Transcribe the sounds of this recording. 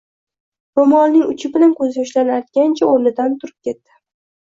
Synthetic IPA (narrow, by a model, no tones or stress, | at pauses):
bʊmɒlˠnɪŋʊt͡ʃʰɪbɪlankʲʰɵzɪjɒʃlanajt̪̚ɡʲant͡ʃʰaoɾnɪd̪ant̪ʰʊɾɪp̚kʲe̞t̪ːɪ̥